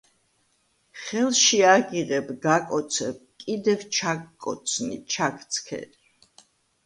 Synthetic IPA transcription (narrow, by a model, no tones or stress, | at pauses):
χɛlˠʃiaɡiʁɛbɡakʼɔt̪sʰɛb̚kʼid̪ɛvt͡ʃʰakʼːɔ̰t̪sʰnḭt͡ʃʰakʼt̪sʰkʰɛ̰ɾi